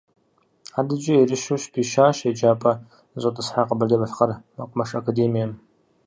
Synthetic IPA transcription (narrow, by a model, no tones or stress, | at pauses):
adɨd͡ʒʼɐirɨʃuʃpʰiʃaːʃed͡ʒaːpʼɐ | zʷʼɐtʼɨsħaqəbɐrdɐbɐɬχɐrmɐqʷʊmɐʂɐkʰadeːmijɐm